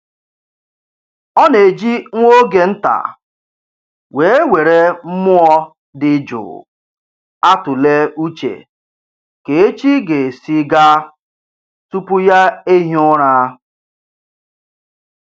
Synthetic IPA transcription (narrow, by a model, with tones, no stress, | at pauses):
ɔ˦ne˨d͡ʒi˦ŋʷo˦ɡe˨n̩˦ta̰˨ | we˨e˦we˨ɾe˦m̩˦mʊ˦ɔ˦ | dɪ˦d͡ʒʊ̰ː˨ | a˦tʊ˨le˦u˦t͡ʃḛ˨ | ke˨e˦t͡ʃi˦ɡe˨si˦ɡa˦ | tu˦pʊ˦ja˦e˦ɦi˦ʊ˦ɾa˦